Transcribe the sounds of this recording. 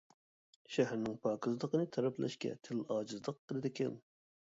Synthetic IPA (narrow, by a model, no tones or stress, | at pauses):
ʃæɦæɾnɪŋpʰɑːkʰɨzlˠəqənɨt̪ʰɑɾɑplˠɛ̰ʃkʲɛ̰t̪ʰɪlɑːd͡ʒɨzlˠəqːəlˠɨd̪ɪkʲɛ̰m